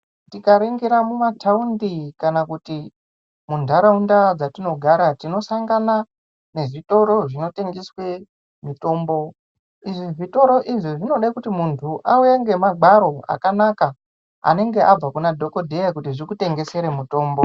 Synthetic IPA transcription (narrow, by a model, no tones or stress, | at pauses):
tikaɾeŋɡeɾamumataundikanakuti | mundʱaɾaundad͡zatino̞ɡʱaɾatino̞saŋɡana | ne̞ʐito̞ɾo̞ʐino̞te̞ŋɡeswe̞ | mito̞ːmbo̞ | iʐiʐito̞ɾo̞ʔiʐiʐino̞ɗaikutimuntʰuʔaujaŋɡe̞maɡaɾo̞a̰kanaka | a̰ne̞ŋɡe̞ʔab͡vakunadʱo̞ko̞dʱejakutiʐikute̞ŋɡe̞se̞ɾemuto̞ːmbo